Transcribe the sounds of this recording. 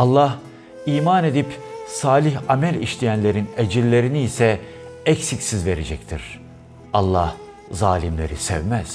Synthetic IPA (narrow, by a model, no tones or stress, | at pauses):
alˠːah | iːmaːne̞d̪ipsaːlʲiçamælʲḭʃlʲijænlʲe̞ɾined͡ʒillʲːe̞ɾiniːsɛ | ɛcsicsizve̞ɾed͡ʒɛct̪ʰiɾ̥ | alˠːah | zaːlʲimlʲe̞̰ɾisɛ̰vmæz̥